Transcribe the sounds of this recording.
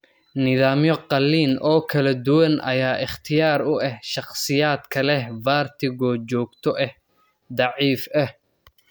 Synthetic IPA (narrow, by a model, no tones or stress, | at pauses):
nɪðaːmjɔqɑlːiːnɔːkʰɐlɐd̪ʊwɐnʔɐ̰jaːʔɪχt̪ʰɪjaːɾʊʔɛhʃɑqsɪjaːd̪kʰɐlɛhvaːrt̪ʰɪɣɔt͡ʃɔːɡt̪ʰɔʔɛh | d̪ɑʕiːfɛh